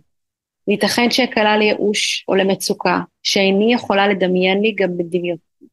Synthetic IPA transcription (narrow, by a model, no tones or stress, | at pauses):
lit̪ɐχenʃeakalalejeʔuʃo̰lemet͡sukaʃeajnijeχo̞lale̞d̪ɐmje̞nliɡambed̪imjot̚